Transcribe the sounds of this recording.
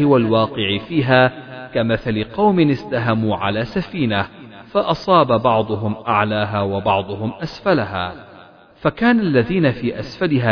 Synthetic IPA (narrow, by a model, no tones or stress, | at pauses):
ɪwalwɑːqɪʕfiːɦaːkamaθalɪqɑwmɪnɪst̪aɦamuːʕa̰laːsafiːnafɑʔɑsˤɑːbabɑʕd̪ˤʊɦʊmʔaʕlaːɦaːwɑbɑʕd̪ˤʊɦʊmʔasfalaɦaː | fakaːnalːaðiːnafiːʔasfalɪɦaː